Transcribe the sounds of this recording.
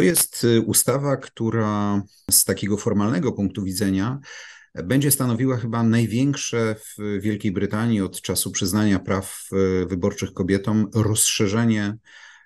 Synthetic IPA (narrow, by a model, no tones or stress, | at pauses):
t̪ɔjɛst̪ust̪avakt̪uɾa | st̪akʲɛɡɔfɔɾmalnɛɡɔpuŋk̚t̪uvʲid̪zɛɲa | bɛɲd͡ʑɛst̪anɔvʲiwaxɘbanajvʲjɛŋkʂɛvvʲjɛlkʲejbɾɘt̪aɲiɔt̪t͡ʂasupʂɘznaɲapɾafvɘbɔɾt͡ʂɘxkɔbʲjɛt̪ɔmɾɔsʂɛʐɛɲɛ